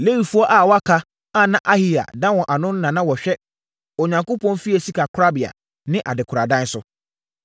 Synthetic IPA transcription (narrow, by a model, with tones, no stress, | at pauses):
le˦wi˨fu˦ɔ˦ʔa˨wɔ˦a˦kʰa˦ | a˦˨nã˦ʔa˦hi˦a̰˨dã˦wɔ̃˨ʔa˨nʊ̃˦n˦nã˨nã˦wɔ˨ɕᶣɛ˦ | ɔ˨ɲã˨ŋko˦pʰɔ̃˦nfi˦ɛ˨si˦kʰa˨kʰʊ˦ɾa˦bɪ˨a̰˨ | nɪ̃˦ʔa̰˨dɪ˨kʰʊ˨ɾa˨dã˦n˦sʊ˦